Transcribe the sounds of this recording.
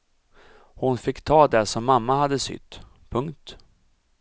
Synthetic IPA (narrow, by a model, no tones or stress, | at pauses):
hʊnfɪkːt̪ʰɑːd̪ɛʂɔmːamːahad̪ːəsʏ̰t̪ː | pʰɵŋkt̪